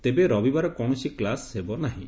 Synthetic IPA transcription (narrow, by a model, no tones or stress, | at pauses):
t̪ebeɾɔbibaɾɔkɔɽ̃ɔsiklashebɔnaɦḭ̃